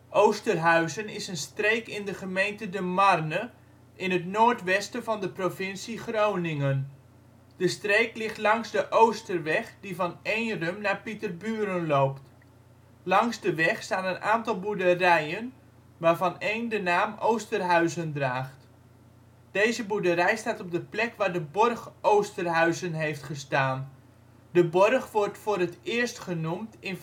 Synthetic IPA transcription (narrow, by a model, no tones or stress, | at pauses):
ʔowstərɦœɥzənɪsənstrejkɪndəχəmejntədəmɑrnə | ʔɪnətnoːɹtʋɛstəvɑndəprofɪnsiχrownɪŋən | d̥əstreːklɪχtlɑŋzdəʔowstərʋɛχdivɑnejnrəmnaːpitərbyːɾənloːpt | lɑŋzdəʋɛχstaːnənʔaːntɑlˠbudərɛjən | ʋaːrvɑnejndənaːmʔowstərɦœɥzəndraːχt | d̥eːzəbudəɾɛjstaːtɔb̚dəplɛkʋaːrdəbɔrχʔowstərɦœɥzənɦejftχəstaːn | dəbɔrχʋɔrtfʊːɾətɪərstχənumtɪn